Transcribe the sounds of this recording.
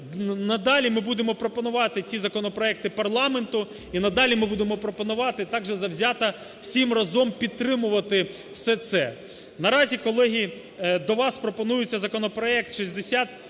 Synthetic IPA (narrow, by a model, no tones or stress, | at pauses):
nɐd̪ɑlʲimɪbud̪emɔpɾɔpɔnʊʋɑt̪ɪt͡sʲizɐkɔnɔpɾɔɛk̚t̪ɪpɐrlˠɑment̪ʊ | inɐd̪ɑlʲimɪbud̪emɔpɾɔpɔnʊʋɑt̪ɪt̪ɑɡʒɛzɐwzʲɑt̪ɐ | wsʲimrɐzɔmpʲid̪̚t̪ɾɪmʊʋɐt̪ɪ | wsɛt̪sɛ̰ | nɐɾɑzʲikɔlˠɛɦʲi | d̪ɔʋɑspɾɔpɔnujʊt͡sʲːɐzɐkɔnɔpɾɔɛkt̪ʃizʲd̪esʲat̪